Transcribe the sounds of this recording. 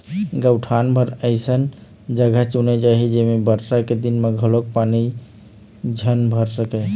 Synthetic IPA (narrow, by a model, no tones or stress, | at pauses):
ɡəwʈʰanbʱəɾəɪsən | d͡ʒəɡʱət͡ʃunɛd͡ʒaɦid͡ʒemebəɾɾaked̪inmeɡʱəlok̚pani | d͡ʒʱənbʱəɾsəkɛ